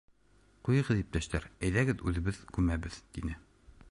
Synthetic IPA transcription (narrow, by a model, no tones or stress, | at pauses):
qujɤ̆ʁɤðip̚t̪æʃt̪æɾæjðæɡɘðʉðɘ̆βɘðɡʉmæbɘðt̪inɘ